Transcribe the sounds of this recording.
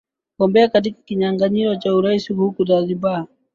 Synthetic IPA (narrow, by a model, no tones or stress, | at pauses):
kɔmbɛakat̬ikḁkiɲaŋɡaɲiɾɔt͡ʃauɾaisihukudaðiba